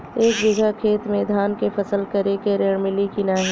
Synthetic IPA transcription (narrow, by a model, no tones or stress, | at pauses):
eːkbɪɡʱakʰeːt̪mẽd̪ʱaːnkepʰɐsəlkɐɾekeɾeːɽ̃mɪlikinaːɦɛ